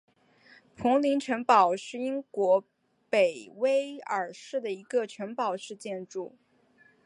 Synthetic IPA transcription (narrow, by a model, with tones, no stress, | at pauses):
pʰʊ˧˥ŋli˧˥ŋʈ͡ʂʰə˧˥ŋpɑ˨˩ʊʂɻ̩˥˩i˥ŋkwɔ˧˥ | pe˨˩ɪwe˥ɪə˞˨˩ʂɻ̩˥˩d̪ə˩i˧˥ɡə˧ʈ͡ʂʰɥə˧˥npɑ˨˩ʊʂɻ̩˥˧t͡ɕjɛ˥˧nʈ͡ʂu˥˩